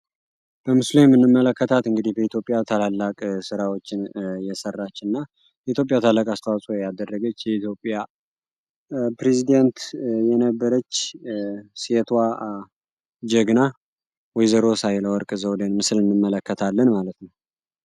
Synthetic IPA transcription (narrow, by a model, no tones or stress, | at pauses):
b̥əmɨslojɛmːɨnːɨmːələkːət̪ʰat̪ɨŋɡɨd̪ihbəit̪ʰjo̞pʼːjat̪ʰəlalːakʼsɨɾawot͡ʃːɪnjɛsərːat͡ʃːɨnːa | jɛit̪ʰjo̞pʼːjat̪ʰəlːakʼast̪ʰəwasʼojad̪ərːəɡət͡ʃːjɛit̪ʰjopʼːja | pɾezid̪ent̪jɛnəbːəɾət͡ʃː | set̪ʰwa | d͡ʒəɡna | wɔjzəɾo̞sajləwɔɾkʼɨzəwlənmɨsɨlɨnːɨmːələkːət̪ʰalːənmalət̪nəw